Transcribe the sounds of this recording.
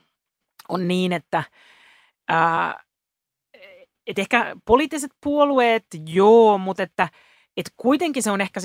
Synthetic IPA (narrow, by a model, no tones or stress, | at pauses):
onniːnet̪ːæ | ɑː | et̪ehkæpoliːt̪ːiset̪̚puolueːt̪joːmut̪et̪ːæ | et̪kuit̪eŋkiseonehkæs